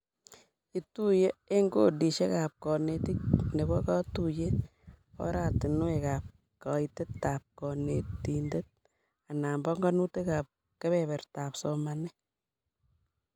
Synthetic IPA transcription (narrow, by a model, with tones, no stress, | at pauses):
kitu˦je˦e˦ŋɡo̰di˨ʃe˦ka˨p̚kɔ˨netik̚ne˨kɔ˦ka˦tuje | ɔ̰˦ɾa˨ti˨nu˦ekap̚ | ka˨ite˦tːap̚kɔ˨neti˨nde˦t̚ | a˨na˨mbɔ˦ŋɡɔ˦nu˦teka˨p̚ | ke˦βɛβɛ˨rtaːpsomanɛ˦